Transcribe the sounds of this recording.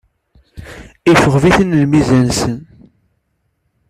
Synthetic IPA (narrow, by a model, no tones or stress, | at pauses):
ifəʁviθənlmizænsən